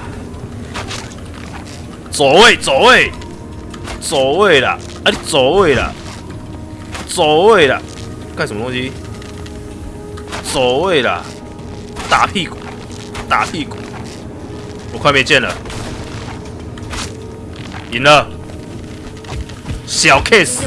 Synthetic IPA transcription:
t͡sɔ˨˦we˥˧˨t͡sɔ˨˦we˥˧˨ | t͡sɔ˨˩we˥˩˨la̰˨ | a˧˦ɾi˦˧˦t͡sɔ˨˦we˥˧˨la̰˨ | t͡sɔ˨˦we˥˧˨ɾa̰˨ | ka˥˧˨st̪ɔ˧ŋɕi˦ | t͡sɔ˨˩we˥˨la̰˨ | t̪a˨pʰi˥˧kũ˨˦ | t̪a˨pʰi˥˧kṵ̃˨˦ | o˨kʰwa˧˦mɛ̃˥˧˨t͡ɕjɛ˥˧nə̰˨ | i˨˦nə˧ | ɕja˨˧wkʰe˥˧˨s

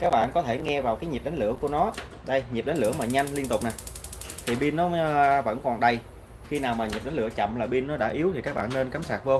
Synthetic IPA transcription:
kaː˦˥k̚ɓa̰ː˧˨nkɔ˨˦t̪ʰe˧˩ŋɛ˧vaː˨˩wkaː˨˦jɲi˨˩p̚ɗa˨˦ŋlɨ̰˧˥əku˧˩ənɔ˨˦ | ɗə˧jɲi˨˩p̚ɗə˨˦n̟lɨ̰˧˩əmaː˨˩ɲa˧jŋ̟li˧ənt̪ʊ˨˩k͡p̚na˨˩j | t̪ʰi˨˩ɓi˧nːɔ˨˦və̰˧˥nkɔ˨˩nɗə˧j | xi˧naː˨˩wmaː˨˩ɲi˨˩p̚ɗa˨˦n̟lɨ̰˧˩ət͡ɕə̰˧˨mlaː˨˩ɓi˧nːɔ˨˦ɗa̰ː˧˥ʔi˨˦əwt̪ʰi˨˩kaː˦k̚ɓa̰ː˧˨nːe˧nkaː˨˦msaː˨˩t̚vəː˧w

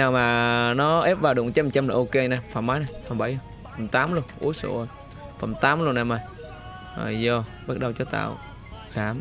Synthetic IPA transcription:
ɲaː˨˩wmaː˨˩nɔ˨˦ʔe˦˥p̚vaː˨˩wɗʊ̰˨˩˨ŋt͡ɕa˧˦mt͡ɕa˧mlaː˨˩ʔo˧ke˧na˨˩fa̰˧˩maː˨˦jna˨˩jfə˨˩mɓa˧˩jl | fə˨˩mt̪aː˨˦mlu˧ənʔṵ˨˦əso̰˧˩ə˧˩j | fə˨˩mt̪aː˨˦mlu˧ənːa˧˩ma˨˧˩j | aː˨˩zɔ˧˩ɓa˦˥t̚ɗə˨wt͡ɕɔ˨˦t̪a̰ː˧˨w | xaː˧˨˦m

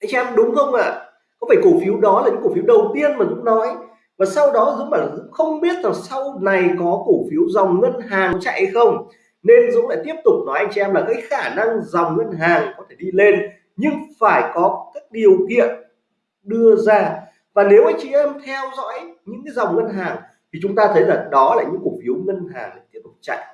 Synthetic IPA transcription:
ʔa˧jŋ̟t͡ɕi˧ɛ˧mɗʊ˨˦ŋ͡mxə˧wŋ͡mʔa̰ː˧˨ | kɔ˨˦faː˧˩jko˧˩fi˨˦əwɗɔ˨˦la˨˩ɲɨ̰˧˥ko˧˩fi˨˦wɗə˨˩wt̪i˧ənmaː˨˩kʊ̰˧˥ŋ͡mnɔ˨˦j | vaː˨˩sa˧wɗɔ˨˦zɨ˨˧˥ŋɓaː˧˩zɨ̰˧˥ŋ͡mxə˧wŋ͡mɓi˦˥ət̚zaː˨˩sa˧wna˨˩jkɔ˨˦ko˧˩fi˨˦wza˨˩wŋ͡mŋə˧nɦaː˨˩ŋt͡ɕa̰˧˨jhə˧jxə˧wŋ͡m | ne˧nzʊ̰˧˥ŋ͡mla̰ː˧˥t̪i˦˥əp̚t̪ʊ˨˩k͡p̚nɔ˨˦jʔa˧jŋ̟t͡ɕi˧ɛ˧mlaː˨˩kaː˨˦jxaː˧˩na˧ŋza˨˩wŋ͡mŋə˧nɦaː˨˩ŋkɔ˨˦t̪ʰe̥˧˩ɗi˧le˧n | ɲɨ˧ŋfaː˧˩jkɔ˨˦kaː˨˦˥k̚ɗi˨˩əwkḭ˧˨ən | ɗɨ˧əzaː˧ | vaː˨˩ne˨˦wʔaː˧jŋt͡ɕi˧ʔɛ˧mt̪ʰɛ˧wzɔ̰˧˥jɲɨ̰˧˥ŋkaː˨˦za˨˩wŋ͡mŋə˧nɦaː˨˩ŋ | t̪ʰi˨˩t͡ɕʊ˨˦ŋ͡mt̪aː˧t̪ʰə˨˦jlaː˨˩ɗɔ˨˦laː˨˩ɲɨ̰˧˥ku˨˩k̚fi˨˦əwŋə˧nɦaː˨˩ŋla˨˩t̪i˦˥əp̚t̪ʊ˨˩t͡ɕa̰˧˨jʔ

